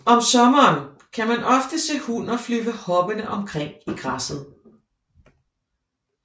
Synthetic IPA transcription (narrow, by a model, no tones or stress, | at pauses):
ɒ̽msɒ̽mɐːn | kʰæmænʔɒ̽fd̥əse̝̰ːhunɐflyʋəhɒ̽b̥ənəʔɒ̽mkʰʁeŋ̰iɡ̥ʁɑsð̩ˠ